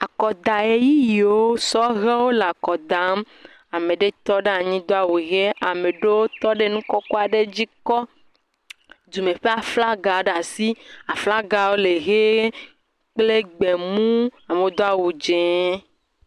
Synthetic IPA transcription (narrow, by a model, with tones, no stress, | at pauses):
a˨kɔ˨d̪a˨e˨ji˦ji˨o˦sɔ˦ɣe˦wo˦le˨a˨kɔ˨d̪a˨˦m | a˨me˨ɖe˦t̪ɔ˦ɖe˦a˨ɲĩ˦d̪o˦a˨wu˨ɣe˦ʔa˨me˨ɖe˦wo˦t̪ɔ˦ɖe˦nũ˦kɔ˦ko˦a˨ɖe˦d͡ʑi˦kɔ˦ | d̪u˨me˨ɸe˦a˨fla˦ɡa˨ɖa˨si˦a˨fla˦ɡa˨wo˦le˨ɣe˦ | k͡ple˦ɡ͡be˨mũ˦a˨me˨o˦d̪o˦a˨wu˨d͡ʒẽ˨˦